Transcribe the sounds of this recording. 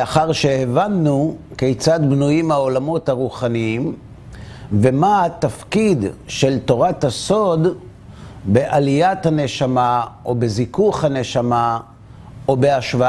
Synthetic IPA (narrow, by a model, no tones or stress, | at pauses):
aχaʁʃehevanːukejt͡sad̪bnujimhao̞lamo̞t̪haʁuχaniim | vemahat̪afkid̪ʃe̞lto̞ʁataso̞d | be̞ʔalijathane̞ʃamaʔo̞bezikuχhane̞ʃama | o̞be̞aʃva